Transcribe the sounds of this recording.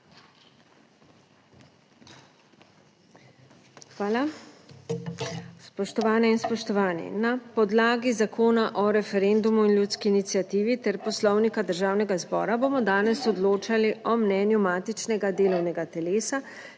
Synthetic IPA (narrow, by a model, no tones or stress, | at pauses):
xʋaːla | spɔʃt̪ɔʋaːnɛinspɔʃt̪ɔʋaːnḭnapɔd̪laːɡizakʰoːnaʔɔɾɛfɛɾend̪umuinljut̪skiːnit̪sijat̪iːʋit̪ɛɾpɔslɔwnikad̪əɾʒaːwnɛɡazbɔ̰ːɾaboːmɔd̪aːnɛsɔd̪loːt͡ʃaliɔmnɛːnjumaːt̪it͡ʃnɛɡad̪eːlɔwnɛɡat̪ɛleːsa